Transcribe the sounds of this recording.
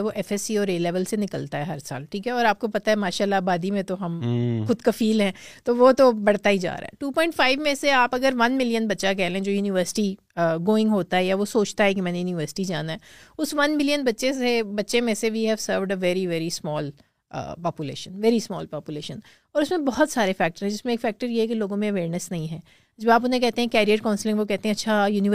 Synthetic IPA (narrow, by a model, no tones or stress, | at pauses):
ɛʋoʔɛfɛsiɔːɾeːlɛːʋəlsenɪkəlt̪aɦɛɦɐɾsa̰ːlʈʰiːkɛɔːɾaːp̚kopɐt̪aɦɛmaːʃaːlːabaːd̪imẽt̪oɦɐmxʊd̪kɐfiːlɦɛ̃ːt̪oʋot̪obɐɽ̤t̪aɦid͡ʒa̰ːɾa̰ɦɛ̰ʈuːpɔ̃ːɪ̃ɳʈfaːɪʋmẽseaːpɐɡəɾʋɐnmɪlijənbɐtːʃak̬ɛɦlẽːd͡ʒoːjuːnɪʋəɾsɪ̥ʈi | ɡoːɪ̃ŋɡɦoːt̪aɦɛjaʋosoːt͡ʃt̪aɦɛkimɛ̃ːnejuːnɪʋəɾsɪ̥ʈid͡ʒaːnaɦɛʊsʋɐnmɪlijənbɐtːʃesebɐtːʃẽmẽseʋiːɦɛʋsəːɾʋɖəʋɛːɾiʋɛːɾismɔːl̰ː | pɔːpjulḛːʃə̃nʋɛːɾismɔ̰ːlpɔːpjʊleːʃə̃n | ɔːɾʊsmẽbɔɦɔt̪saːɾefɛːk̚ʈəɾɦɛ̃d͡ʒɪsmẽːkfɛːk̚ʈəɾjeɦɛkiloːɡõmẽɐʋeːɾnəsnɐɦĩɦɛ̃ː | d͡ʒoːaːp̬ʊnɦẽkɛɦt̪ẽɦɛ̃kɛːɾiəɾkãʊnslɪ̃ŋɡʋokɛɦt̪ẽɦɛ̃ɐtːʃʰajuːnɪʋ